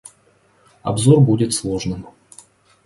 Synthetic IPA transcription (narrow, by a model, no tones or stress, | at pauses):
ɐ̰bzo̞rbudʲɪt̪slˠo̞ʐnɨm